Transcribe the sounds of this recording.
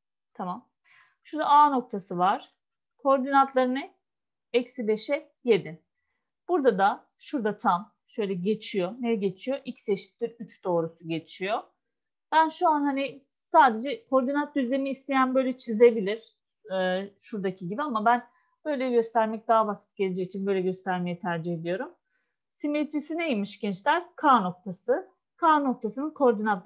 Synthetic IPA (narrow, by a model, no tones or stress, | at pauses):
t̪ʰamam | ʃuɾd̪aaːno̞k̚t̪ʰasɯvaɾ̥ | kʰo̞ɾd̪inant̪lˠaɾɯnɯ | ɛcsilʲe̞ʃɛ | je̞d̪ɪ | b̥uɾd̪ad̪a | ʃuɾd̪at̪ʰam | ʃø̞jlʲɛɟe̞t͡ʃʰijonɛɟe̞t͡ʃʰijo̞ʔicseʃi̥t̪ːiɾyt͡ʃd̪̥o̞ːɾusuɟe̞t͡ʃʰijo | b̥ænʃuanhani | saːd̪e̞d͡ʒɛkʰo̞ɾd̪inat̪̚d̪yzlʲemiːst̪ʰe̞jænbø̞jlʲɛt͡ʃʰize̞bilʲiɾ̥ | ʃuɾd̪acʰiɟibiamabæn | bø̞jlʲɛɟø̞st̪ʰæɾmɛc̚d̪aɦabasɯt̪̚ɟelʲed͡ʒɛcːit͡ʃʰinbø̞jlʲɛɟø̞st̪ʰæɾme̞jɛt̪ʰæɾd͡ʒihe̞d̪ijo̞ɾum | simet̪ʰɾisinejimiʃɟɛnt͡ʃlʲæɾ̥kʰaːno̞k̚t̪ʰasɯ | kʰaːno̞k̚t̪ʰasɯnɯnkʰo̞ɾd̪inat̪